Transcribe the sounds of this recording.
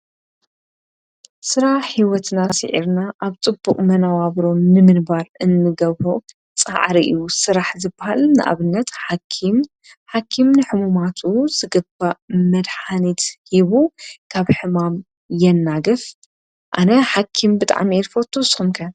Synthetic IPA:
sɨɾaħːiwɔt̪nasɨ̰ʕḭɾnaʔaβt͡sʼɨbːuqʼmɐnawaβɾo̞mnɨmɨnbaɾɨnːɨɡɐβɾo | t͡sʼa̰ʕɾiʔɨ̰jːusɨɾaħzɨbahalnɨʔa̰βɨnːɐt̪ħakʰim | ħakʰːimnɨħɨmumat̪ʰuz̥ɨɡɐbamɐd̪ħanit̪hiβukʰaβħɨmam | jɛnːaɡɐf | ʔanɐħakʰimbɨt̪ʼa̰ʕmieɾfot̪ʰːɨwsxumkʰɐ

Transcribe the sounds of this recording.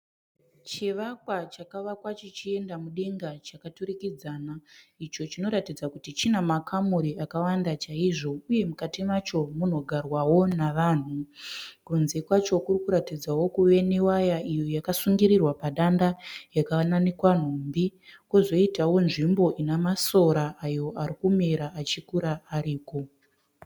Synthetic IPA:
t͡ʃiʋakwat͡ʃakaʋakwat͡ʃit͡ʃie̞ndamuɗe̞ŋɡat͡ʃakatuɾikid͡zaːnait͡ʃo̞t͡ʃino̞ɾatid͡zakutit͡ʃinamakʰamuɾiʔakawandat͡ʃaiʐo̞uje̞mukatimat͡ʃo̞mun̤o̞ɡʱarwawo̞naʋaːn̤ukunze̞kwat͡ʃo̞kurikuɾatid͡zawo̞kuʋe̞newajaijo̞jakasuŋɡiɾirwapaɗandajakaananikwan̤umbikozo̞itawo̞nʐimbo̞ʔinamaso̞ɾaajo̞ʔaɾikume̞ɾaat͡ʃikuɾaːɾiːko̞

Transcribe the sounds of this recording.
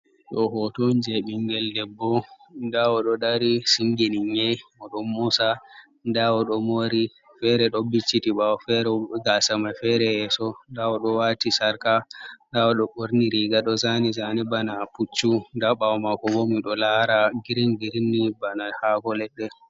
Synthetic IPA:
ɗɔɦɔtɔnd͡ʒɛɓiŋɡɛldɛbːɔ | ndawɔɗɔɗaɾisiŋɡiniɲɛmɔɗɔmːusa | ndawɔɗɔmoɾi | fɛɾɛɗɔbit͡ʃːitibawɔfɛɾɛɡasamafɛɾɛɛsɔndawɔɗɔwatisaɾkandawɔɗɔɓoɾniɾiɡaɗɔzanizanibanaput͡ʃːundaɓawmakɔbomiɗɔlaɾaɡiɾinɡiɾnːibanahakɔlɛbɛ

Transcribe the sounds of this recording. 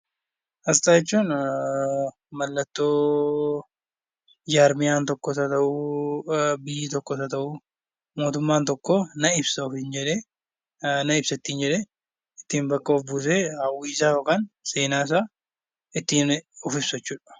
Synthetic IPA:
ʔɐst̪aːjɛt͡ʃːuːn | mɐlːɐt̪ːoː | d͡ʒaːɾmɪjaːnt̪ɔkːɔsɐt̪ɐʔuː | bɪjːit̪ɔkːɔsɐt̪ɐʔu | mo̞ːt̪ʊmːaːnt̪ɔkːoːnɐɪbsɐɔfɪnd͡ʒɛᶑeː | nɐɪbsɐɪt̪ːiːnd͡ʒɛᶑeː | ɪt̪ːiːmbɐkːɐɔfbuːseːɐwiːsaːjoːkaːnseːnaːɪs̬aː | ɪt̪ːiːnɔfɪbsɐt͡ʃːuːᶑɐ̥

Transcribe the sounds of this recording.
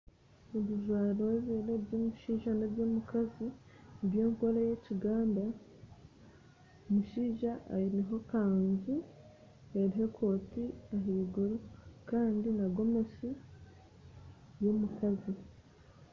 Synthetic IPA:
eβiʒwaːɾoeβeɾebjomuʃiːʒanabjomukazi | bjo̞ːŋkoɾajeciɡaːnda | omuʃiːʒaʔa̰ineɦo̞kaːnzi | eɾiɦe̞kʰo̞ːtiaɦiɡuɾokaːndinaɡo̞me̞si | jomukʰazi

